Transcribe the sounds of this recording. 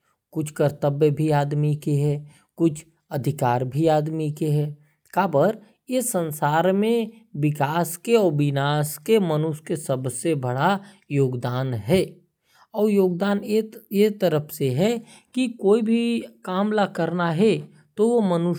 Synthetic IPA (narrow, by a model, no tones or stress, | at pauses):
kʊt͡ʃʰkəɾt̪əbjəbʱiaːd̪mikeɦɛː | kʊt͡ʃʰ | ɐd̪ʱɪkaːɾbʱiaːd̪mikeɦɛː | kaːbəɾ | esə̃nsaːɾmẽʋɪkaːskeɔːɾbɪnaːskemənʊʃkesəbsebɐɽa | joːɡd̪aːnɦɛː | ɔːɾjoːɡd̪aːnjet̪əɾəpʰseɦɛ | kikoːibʱikaːmlakəɾnaɦɛ | t̪oʋomənʊ